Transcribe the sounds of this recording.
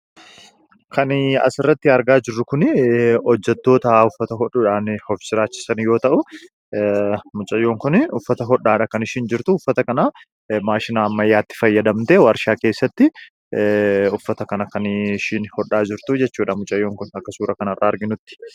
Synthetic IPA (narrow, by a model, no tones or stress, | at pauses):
kʰɐnɐ̰sɪrːɐt̪ːɪɐɾɡaːd͡ʒɪrːʊkʊnɔd͡ʒːɛt̪ːo̞ːt̪ɐʊfːɐt̪ɐɦɔᶑʊᶑaːnhɔfɪ̥sɪɾaːt͡ʃːɪ̥sɐnjo̞ːt̪ɐʔʊ | mʊt͡ʃʼɐjːo̞ːŋkʊnʊfːɐt̪ɐɦɔᶑːaːᶑɐkɐnɪʃɪnd͡ʒɪɾt̪ʊʊfːɐt̪ɐkɐnaː | maːʃɪnaːmːɐjːaːt̪ːɪ̥fɐjːɐd̪ɐmt̪eːwɐɾʃaːkeːsːɐt̪ːɪ | ʊfːɐt̪ɐkɐnɐkɐnʃinhɔᶑːaːd͡ʒɪɾt̪ʊd͡ʒɛt͡ʃːuːᶑɐmʊt͡ʃʼɐjːoːŋkʊnɐkːɐsuːɾɐkɐnɐrːaːɐɾɡɪnʊt̪ːɪ̥